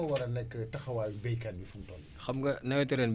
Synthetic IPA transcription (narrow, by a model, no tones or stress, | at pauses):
ɐwɐɾɐnɛkːətɐxɐwaːjubɛjkanbifuntɔːn | xɐmɡɐnɐwɛtɛɾɛnb